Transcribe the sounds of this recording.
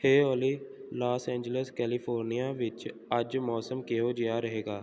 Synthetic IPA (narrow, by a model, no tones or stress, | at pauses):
heːɔːliːlaːsɛ̃ːɲd͡ʒələskɛːlipʰoːɾnijaʋɪt͡ʃ | əd͡ʒmɔːsəmkeɦoːd͡ʒejaːɾəɦeːɡaː